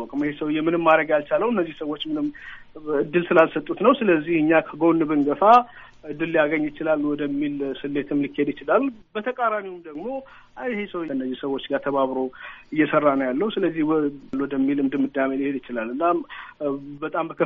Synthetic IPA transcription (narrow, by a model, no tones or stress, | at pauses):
kʼmhesəwjɛmːɨnɨmːaɾəɡjalt͡ʃaləwɨnːəzːihsəwːot͡ʃːmɨnɨmː | ɨd̪ːɨlsɨlalsət̪ʼːut̪nəwsɨləzːihɨɲːakʰəɡonːɨβɨnɡəfa | ɨd̪ːɨlːijaɡəɲːjɪt͡ʃɪlalwɔd̪əmːilsɨlːet̪ʰɨmlikʰːe̞d̪jɪt͡ʃɪlalbət̪ʰəkʼaɾamiwumd̪əɡmo̞ | hesəwɨnːəzːihsəwo̞t͡ʃːɡaɾt̪ʰəβaβɾo̞ɨjːɛsərːanəwjalːəhusɨləzːihlwɔd̪əmːilɨmd̪ɨmːɨd̪ːaməlihe̞d̪ɪt͡ʃɪlalɨnːa | bət̪ʼambəkʰə